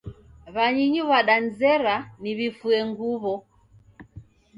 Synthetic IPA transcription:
βaɲiɲuβaɗanzɛɾaniβifuɛŋɡuβɔ

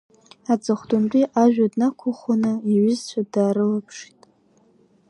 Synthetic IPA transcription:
at͡sʼɨχʷdʊnt͡pʼiʔaʒᶣadnakʷʰʊχanɨiɥʊzt͡ɕʷʰadaːɾɨlapʰʂi̥tʼ

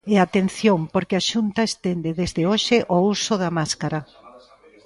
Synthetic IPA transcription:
eat̪en̟θjoŋpoɾkɪaʃunt̪ɐest̪end̪eðezðɪoʃɪʔousʊðɐmaskaɾɐ

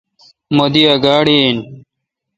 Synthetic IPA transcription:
mod̪iɐɡaːɽin

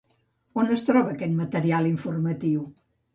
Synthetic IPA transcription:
onəst̪ɾɔβəːkɛt̪mət̪əɾialˠiɱfurmət̪iw

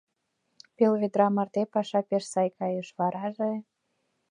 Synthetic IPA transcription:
pelβed̪ɾɑmɑrt̪epɑʃɑpeʃsɑjkɑjəʃβɑɾɑʒe

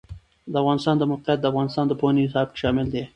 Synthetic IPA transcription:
d̪əafɣɑnɪst̪ɑnd̪əmoqijat̪̚d̪əafɣɑnɪst̪ɑnd̪əpoaniɪsɑb̚ke̥ʃɑmɪld̪e

